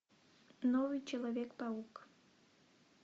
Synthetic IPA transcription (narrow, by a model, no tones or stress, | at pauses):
nɔvɨjt͡ɕɛlˠavʲekpauk